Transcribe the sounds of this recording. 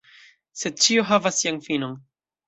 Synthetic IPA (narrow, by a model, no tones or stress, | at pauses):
sed̚t͡ʃioɦavasːianfinon